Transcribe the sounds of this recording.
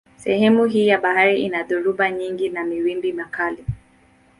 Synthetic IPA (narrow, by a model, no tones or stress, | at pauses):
sɛhɛmuɦiːjaɓahaɾiʔinaðuɾuɓaɲiŋɡinamiwimbimakali